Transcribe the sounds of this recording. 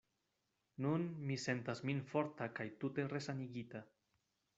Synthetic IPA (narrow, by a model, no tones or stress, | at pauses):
nunmise̞ntasminfo̞ɾtakajtute̞re̞saniɡita